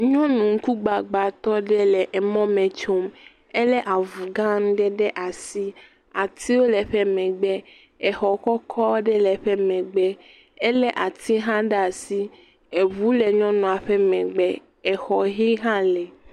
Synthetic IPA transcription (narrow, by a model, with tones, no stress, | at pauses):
ɲɔ̃˦nũ˨ŋ̩˦ku˦ɡ͡ba˨ɡ͡ba˨t̪ɔ˦ɖɛ˦lɛ˨ʔɛ˨mɔ̃˦mɛ̃˨t͡ʃo˦m | ɛ˦lɛ˦ʔa˨vu˨ɡã˦ñ˦ɖɛ˦ɖɛ˦ʔa˨si˦ | a˨t̪ʰi˦wo˦lɛ˨ɸɛ˦mɛ̃˨ɡ͡bɛ˦ | ɛ˨xɔ˨kɔ˦kʰɔ˦ɖɛ˦lɛ˨ɸɛ˦mɛ̃˨ɡ͡bɛ˦ | e˦lɛ˦ʔa˨t̪ʰi˦ɦã˦ɖa˨si˦ | e˨βu˦le˨ɲɔ̃˦nɔ̃˨a˨ɸe˦mɛ̃˨ɡ͡bɛ˨ | ɛ˨xɔ˨ɦi˦ɦã˦lɛ˨